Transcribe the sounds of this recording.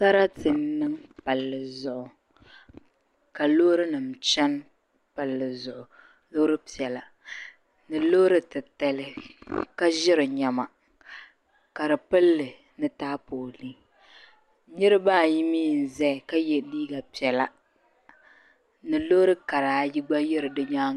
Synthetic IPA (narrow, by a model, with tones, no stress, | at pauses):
sa˦ɾa˦tɨ˨n˦nːɨ˦ŋpa˨lːɨ˨zʊ˨ʔʊ˨ | ka˨lo˦ɾɨ˦nɨ˨m˨t͡ʃɛ˦n | pa˨lːɨ˨zʊ˨ʔʊ˨ | lo˦ɾɨ˦pi˨ɛ˨la˨ | nɨ˨lo˦ɾɨ˦tɨ˨ta˨lɨ˨ka˦ʒɪ˦ɾɨ˨ɲa˨ma˨ | ka˨ɾɨ˨pɨ˦lːɨ˨ | nɨ˦taː˦poː˨li˦ | ɲɪ˦ɾɨ˦baː˦˨ji˦miː˦n̩˨zɛ˦˨ka˦jɛ˨liː˦ɡa˨pi˨ɛ˨la˨ | nɨ˨lo˦ɾɨ˦ka˨ɾaː˨ji˦ɡ͡ba˦jɪ˦ɾɨ˨dɨ˦ɲaː˦